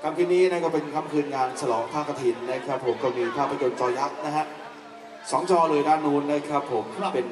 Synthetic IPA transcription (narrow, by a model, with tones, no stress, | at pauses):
kʰa˧mkʰi˧˩t̪̚niː˦˥na˥˩kɔː˥˩pe˧nkʰa˧˥˩mkʰɯː˧nŋaː˧nt͡ɕʰa˧lɔː˩˦ŋpʰaː˥˩kːa˧t̪ʰi˧˩nːa˦˥˩kʰɾa˦˥pʰːo˩˦mkɔː˥˩miː˧pʰaː˥˩pʰɾa˧˩jo˧nt͡ɕɔː˧ja˦˥k̚na˦˥ɦʰa˦˥ʔ | sɔː˩˦ŋt͡ɕɔː˧lɤː˧jdaː˥˩nːuː˦˥nːa˦˥˩kʰɾa˦˥pʰːo˩˦mpe˧n